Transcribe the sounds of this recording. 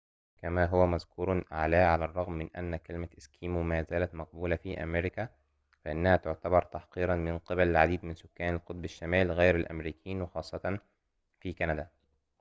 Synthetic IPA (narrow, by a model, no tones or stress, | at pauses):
kæmæːɦʊwæmæzkuːɾˤʕalæːʕalærˤːɑɣmːɪnʔæ̰nːækælɪmæʔɪskʰiːmmæːzæːlæt̪mɑq̚buːlafiːʔæ̰meɾɪkæ | fæʔɪnːæhæːt̪ʊʕt̪æbɑɾˤt̪ɑħqiːɾɑnmɪnqɨbælɪlʕad̪iːd̪mɪnsʊkːæːnalqot̪ˤbɪʃːamæːlɣæjɾælʔæ̰mɾiːkjiːnwɪxɑːsˤːɑt̪ɑn | fiːkænæd̪æ